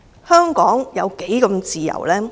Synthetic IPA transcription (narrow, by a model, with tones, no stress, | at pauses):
hœː˥ŋkɔː˨˥ŋjɐ˨˧wke˨˥jkɐ˧mt͡siː˨jɐ̰˨˩wlɛː˥